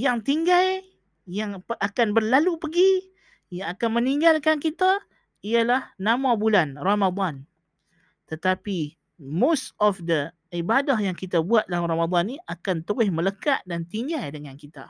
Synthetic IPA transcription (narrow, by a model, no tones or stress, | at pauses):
jaŋt̪iŋɡal | jaŋakanbərlalupəɡi | jaŋakanməniŋɡalkankit̪a | ialahnamabulanramad̪ɑn | t̪ət̪api | mostɔfdə | ibadahjaŋkit̪abuat̪̚laramad̪ˤɑnːiakant̪uɾɪhmələkaʔdant̪iŋɡajdəŋankit̪a̰